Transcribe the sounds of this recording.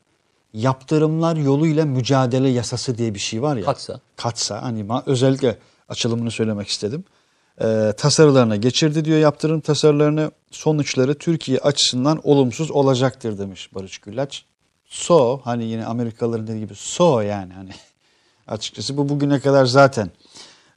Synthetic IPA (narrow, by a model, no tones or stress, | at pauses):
japt̪ʰɯɾɯmlˠaɾjo̞lˠujlˠamyd͡ʒaːd̪e̞lʲɛjasasɯd̪ijɛbiʃejvaɾjakʰat̪sa̰hanimaø̞zɛlʲːiclʲɛ | at͡ʃʰɯlˠɯmɯnɯsø̞jlʲe̞mɛcʰi̥st̪ʰe̞d̪im | ɛːt̪ʰasaɾɯlˠaɾɯnaɟe̞t͡ʃʰiɾd̪id̪ijo̞jap̚t̪ʰɯɾɯmt̪ʰasaɾɯlˠaɾɯnɯ | so̞nut͡ʃlˠaɾɯt̪ʰyɾcʰijɛʔat͡ʃʰɯ̥sɯnd̪ano̞lˠumsuzo̞lˠad͡ʒak̚t̪ʰɯɾd̪e̞mɯʃbaɾɯt͡ʃɟylʲːæt͡ʃ | sohanijinɛ̰ame̞ɾikʰalˠaɾɯnd̪ed̪iɟibiso̞jaːnihani | a̰t͡ʃʰɯ̥k̚t͡ʃʰas̬ɯbubuɟynɛkad̪aɾzaːt̪ʰæn